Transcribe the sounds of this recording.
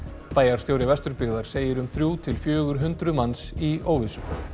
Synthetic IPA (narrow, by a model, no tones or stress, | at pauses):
paːjaɾ̥st̪jowɾɪvɛst̪ʏɾpɪɣðaɾ̥seːjɪɾʏmθɾjuːt̪ʰɪlfjœːɣʏɾ̥ɦʏnt̪ɾʏmansioːwvisʏ